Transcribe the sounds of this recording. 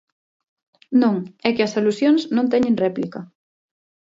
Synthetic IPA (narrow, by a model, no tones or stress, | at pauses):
nõŋɛkɪɐsalusjoŋsnõnt̪ɛɲẽŋrɛplikɐ